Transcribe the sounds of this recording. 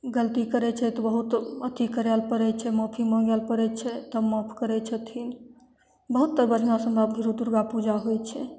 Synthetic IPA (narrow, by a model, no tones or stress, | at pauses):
ɡəlt̪ikəɾɛt͡ʃʰɛt̪ɔbəɦut̪ət̪ikəɾɛlpəɾɛt͡ʃʰɛmɔpʰimɔ̃ɡɛlpəɾɛt͡ʃʰɛt̪əmɔpʰkəɾɛt͡ʃʰət̪ʰin | bəɦut̪ːəɾbəd͡ʒʱnasəmbabɡʱiɾut̪uɾɡapud͡ʒaɦojt͡ʃʰɛ